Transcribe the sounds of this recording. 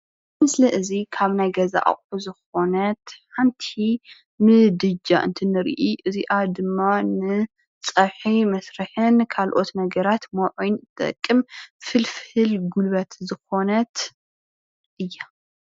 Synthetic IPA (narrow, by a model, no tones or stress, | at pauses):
mɨsliʔɨzikʰaβnajɡɐza̰ʔa̰χʼuzɨxo̞nɐt̪ħant̪ʰi | mɨd̪ɨd͡ʒaʔɨ̰nt̪ʰɨnɨɾ̰ʔiʔɨziʔad̪ɨmːanɨ | t͡sʼɐβħimɐsɾɨħɨnkʰalʔo̞t̪nɐɡɐɾat̪mɐʕujntt̪ʼɐ̰kʼːɨmfɨlfhɨlɡulβɐt̪zɨxo̞nɐt̪ | ʔɨjːa